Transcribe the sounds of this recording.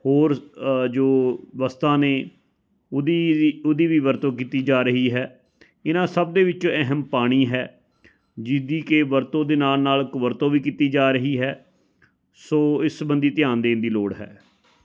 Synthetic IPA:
hoːɾd͡ʒoːʋəst̪ãːneː | d̪iːʊd̪iːʋiːʋəɾt̪õːkiːt̪iːd͡ʒaːɾəɦiːɦɛː | ɪnãːsəb̚d̪eːʋɪt͡ʃõːɛɦmpaːɽ̃iːɦɛː | d͡ʒɪd̪iːkeʋəɾt̪õːd̪eːnaːlnaːlkʋəɾt̪õːʋiːkiːt̪iːd͡ʒaːɾəɦiːɦɛː | soːɪsbənd̪iːt̪ɪjãːnd̪eːɪnd̪iːloːɽɦɛ̰ː

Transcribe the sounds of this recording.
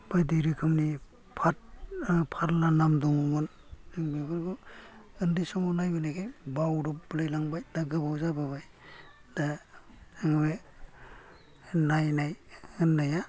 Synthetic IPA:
b̥ajdiɾikʰɯmni | pʰatpʰaɾlanamdɔŋumɯn | nɯŋbebɯɾɡɔɯndisɔmɔnajbɯnajkʰejbawɾɔpblɯjlaŋbajdaɡɯbawzababaj | d̥a | ɯŋbe | najnajɯnːaja

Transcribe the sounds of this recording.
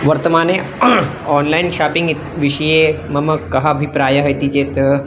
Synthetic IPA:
ʋəɾt̪əmane | ɔnlainʃapiŋɡit̪ʋiʂəje | məməkːɐɦabʱipɾajəɦəjt̪it͡ɕeːt̪

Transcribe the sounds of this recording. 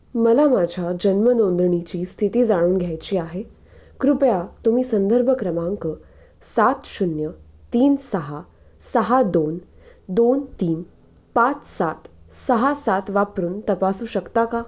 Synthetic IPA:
məlamad͡ʑʱjad͡ʑənmənond̪ɾəɳit͡ɕiːst̪ʰit̪iːd͡zaɽ̃uːnɡʱjajt͡ɕiːaɦe | kɾupjat̪um̤iːsənd̪əɾbʱəkɾəmãŋkə | sat̪ɕunjə | t̪iːnsəɦa | səɦad̪on | d̪ont̪iːn | pat͡ssat̪səɦasat̪ʋapɾuːnt̪əpasuːɕəkt̪aka

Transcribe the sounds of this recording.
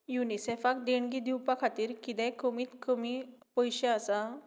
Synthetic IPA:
junisefak̚d̪eɳɡid̪iwpakʰat̪iːɾkid̪ɛ̃kəmiːt̪kəmipəjɕeasa

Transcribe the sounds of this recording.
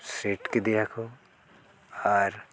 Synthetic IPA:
sɾeːʈked̪ijakʰo | ɔːɾ

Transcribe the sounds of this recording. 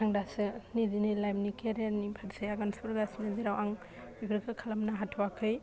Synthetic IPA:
aŋdasɯnidinɯlajmnikeɾanipʰaɾsejaɡanspɔɾɡasinɯziɾawaŋ | bibɾɯkʰɯkʰalamnaɦatʰɔwakʰɯj

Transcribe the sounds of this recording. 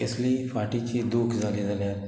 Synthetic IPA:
ɪsliifaːʈit͡ʃid̪uːkʰzaːlizɐleː

